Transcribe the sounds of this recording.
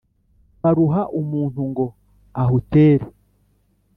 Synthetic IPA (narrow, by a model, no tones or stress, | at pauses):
βaɾuɦaʔumuːn̥uŋɡo̞ | aɦuteːɾe